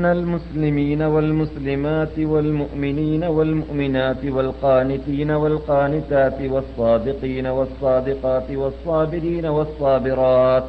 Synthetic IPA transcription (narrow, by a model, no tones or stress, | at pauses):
nalmʊslɪmiːnawalmʊslɪmaːt̪ɪwalmʊʔmɪniːnawalmʊʔmɪnaːt̪ɪwalqɑːnɪt̪iːnawalqɑːnɪt̪aːt̪ɪwɑsˤːɑːd̪ɪqiːnawɑsˤːɑːd̪ɪqɑːt̪ɪwɑsˤːɑːbɪɾiːnawɑsˤːɑːbɪɾɑːt̪